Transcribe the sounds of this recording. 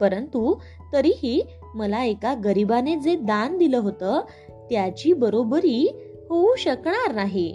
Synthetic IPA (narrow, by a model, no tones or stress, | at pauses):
pəɾənt̪u | t̪əɾiːɦiː | məlaekaɡəɾibaned͡zed̪and̪iləːɦot̪əː | t̪jat͡ɕiːbəɾobəɾiː | ɦoũɕəkɳaɾnaɦi